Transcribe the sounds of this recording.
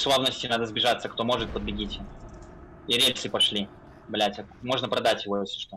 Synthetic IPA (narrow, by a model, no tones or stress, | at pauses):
slˠavnəsʲtʲɪnad̪əzbʲɪʐat̪sːəkt̪o̞mo̞ʐɨt̪̚pəd̪bʲɪɡʲitʲɪ | iɾʲelʲsɨpɐʂlʲi | blʲætʲəkmo̞ʐnəpɾɐd̪atʲjɪvojesʲɪ̥ʂt̪o